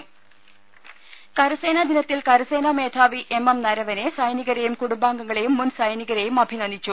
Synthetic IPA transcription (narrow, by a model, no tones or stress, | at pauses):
kɐɾɐse̞ːnad̪inɐt̪ːilkɐɾɐse̞ːnɐme̞ːd̪ʰʱaːʋiʔe̞mɐmnɐɾɐʋɐne̞sɐjniɣɐɾejumkuɽumbaːŋɡɐŋːɐɭejumːunsɐjniɣɐɾejumɐbʱinɐnːit͡ɕːu